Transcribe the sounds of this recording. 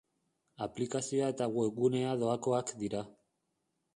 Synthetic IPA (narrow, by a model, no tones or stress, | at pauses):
aplikasioae̞t̪aɣweɣune̞aðo̞ako̞akd̪iɾa